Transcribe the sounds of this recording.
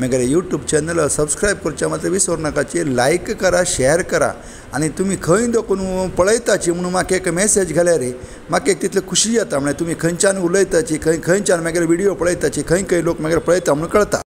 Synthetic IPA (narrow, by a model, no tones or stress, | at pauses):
meɡlejuʈjuːbt͡ɕɛnəlsəbskɾajb̚kəɾut͡ɕamat̪ɾəʋisʋəɾnakat͡ɕelajkːəɾaɕɛɾkəɾa̰ | aɽ̃it̪umiːkʰə̃ĩnd̪okuːnpəɭəjt̪at͡ɕiːm̤əɽ̃uːnmakekmesed͡ʑɡʱaljaɾe | makek̚t̪it̪ʰləkʰuɕiːjat̪am̤əɭ̃et̪um̤iːkʰə̃nt͡ɕanuləjt̪at͡ɕikʰə̃ikʰə̃nt͡ɕanmɛɡlɛʋiɽijopəɭəjt̪at͡ɕikʰə̃ĩkʰə̃lokmaɡlepəɭəjt̪am̤əɽ̃ũnkəɭt̪a̰